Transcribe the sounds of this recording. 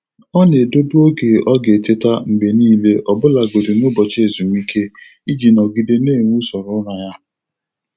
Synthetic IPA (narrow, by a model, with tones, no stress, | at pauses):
ɔ˦ne˨do˦du˦o˦ɡe˨ʔɔ˦ɡe˨te˦ta˦ŋ͡m̩˨ɡ͡be˨niː˦le˦ʔɔ˨bʊ˦la˨ɡo˨dɪ˨nʊ˦bɔ˨t͡ʃe˦˨zu˨m˦i˦kʰe˦ | i˦d͡ʒi˨nɔ˨ɡi˨de˦ne˦˨ŋʷu˦sɔ˨ɾʊ˦ɾa˨ja˦